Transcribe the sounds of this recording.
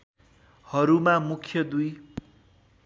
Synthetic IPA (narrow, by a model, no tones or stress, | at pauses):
hʌɾumamukʰjʌd̪uj